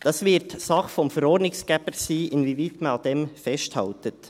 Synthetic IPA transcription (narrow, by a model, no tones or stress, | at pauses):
d̥ɑsvɪɾtsɑχfɔmfəɾɔːɾdnɪksɡ̥ɛpəɾsiːʔɪnviviːtmɑnad̥emfɛsthɑ̰ltət